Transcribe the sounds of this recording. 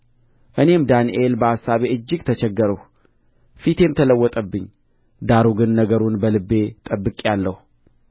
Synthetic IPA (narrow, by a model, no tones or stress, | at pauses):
ʔɨne̞md̪aniʔe̞lbəasːaβe̞ɨd͡ʒːɪɡt̪ʰət͡ʃʰɛɡːəɾəh | fit̪ʰe̞mt̪ʰələwːɔt̪ʼəbːɨɲː | d̪aɾuɡɨnːəɡəɾunbəlɨbːe̞t̪ʼəbːɨkʼejalːəhu